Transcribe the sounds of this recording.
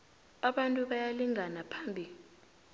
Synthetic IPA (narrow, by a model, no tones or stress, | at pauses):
aɓantʼuɓajaliŋʱanapʰambʱil